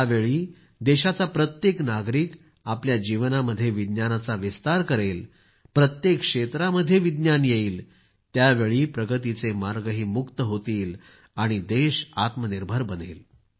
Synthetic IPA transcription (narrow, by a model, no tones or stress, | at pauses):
aʋeɭiː | d̪eɕat͡sapɾət̪jeknaɡɾiːk | apljad͡ʑiʋnaməd̪ʱːjeʋid̪njanat͡saʋist̪aɾkəɾel | pɾət̪jekʂet̪ɾaməd̪ʱːjeʋid̪njanjeiːl | t̪jaʋeɭiːpɾəɡət̪it͡semaɾɡəɦiːmukt̪əɦot̪iːl | aɽ̃id̪eɕat̪məniɾbʱəɾbənel